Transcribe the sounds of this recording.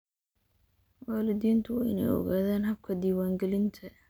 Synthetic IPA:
waːlɪd̪iːnt̪ʰʊwɑ̰ːʔɪ̰nɛ̰jɔ̰ɣaːðɛːnhɐb̚kʰɐd̪iːwaːŋɡɛlɪnt̪ʰɐ

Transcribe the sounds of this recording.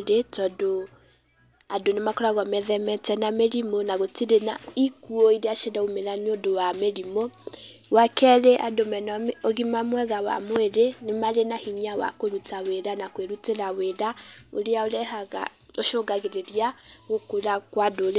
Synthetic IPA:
ɾetɔdo | adonemakɔɾaɣɔmɛðɛmɛtɛnameɾimonaɣotiɾenaikuoiɾeaʃedaumeɾanodowameɾimowakɛɾeʔadomɛnoɣimamwɛɣawa̰mweɾenemaɾenahiɲawa̰koɾutaweɾanakweɾuteɾaweɾaoɾeaoɾɛhaɣa̰ | oʃoɡaɣeɾeɾiaɣokoɾakwadoɾ

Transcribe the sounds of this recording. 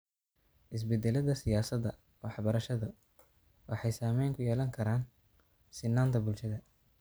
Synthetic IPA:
ʔɪs̬bɛd̪ːɛlɐðɐsɪjaːsɐd̪ɐ̰ | wʔɑħbɐɾɐʃɐðɐ | wɑħɑjsaːmɛjŋkʰʊjɛːlɐŋkʰɐɾaːn | sɪnːaːnt̪ʰɐbʊlʃɐðɐ

